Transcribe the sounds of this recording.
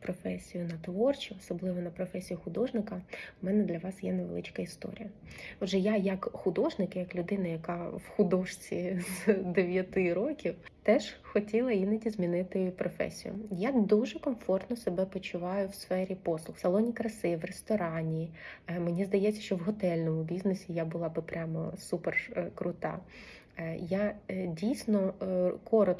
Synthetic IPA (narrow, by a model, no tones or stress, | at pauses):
pɾɔfɛsʲijʊnɐt̪ʋɔrt͡ʃiɔsɔblˠɪʋɔnɐpɾɔfɛsʲijixʊd̪ɔʒnɪkɐmɛnɛd̪lʲɐʋɑsjɛneʋḛlˠɪt͡ʃkɐist̪ɔ̰ɾʲḭjɐɔʒɛjajɐkxʊd̪ɔʒnɪkɪjɐklʲʊd̪ɪnɐjɐkɑwxʊd̪ɔʃt͡sʲizd̪eʋʲjɐt̪ɪɾɔkʲiwt̪ɛʒ̥xɔtʲilˠɐinɐdʲizmʲinɪt̪ɪpɾɔfɛ̰sʲḭjʊ̰jad̪uʒɛkɔmfɔrt̪nɔsebɛpɔt͡ʃʊʋɑjʊwsfɛɾʲipɔslˠʊxsɐlˠɔnʲikɾɐsɪʋrest̪ɔɾɑnʲimenʲizd̪ɐjɛt͡sʲːɐ̥ʃt͡ʃɔwɦɔt̪ɛlʲnɔmʊbʲiznesʲijabʊlˠɑbɪpɾʲamɔsuperkɾʊt̪ɑ̰ | jadʲijsʲnɔkʰɔɾɔt̪